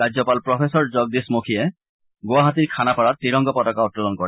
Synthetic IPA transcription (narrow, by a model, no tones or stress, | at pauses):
ad͡ʑɔpalpɹɔpʰesɔɹd͡ʒɔɡ̚d̪ismokʰie | ɡowaɦat̪̬iɹkʰanapɔɹat̪ɹiɾɔŋɡɔpɔtɔkaɔt̪̚kɔlɔnkɔɹɛ